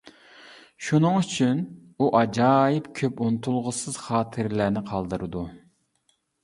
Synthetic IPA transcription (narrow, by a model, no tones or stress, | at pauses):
ʃunɨŋyt͡ʃʰynuʔɑd͡ʒɑːjɪpkʲʰøpunɨt̪ʰulˠʁəsɨz̥χɑːt̪ʰɨɾlænɪqʰɑlˠd̪ɨɾɨd̪u